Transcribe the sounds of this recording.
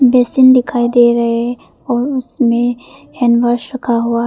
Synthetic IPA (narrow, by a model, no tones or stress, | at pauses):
bɛːsɪnd̪ɪkʰaːid̪eɾɐɦe | ɔːɾʊsmẽhɛnʋaɾʃɾɐkʰaɦua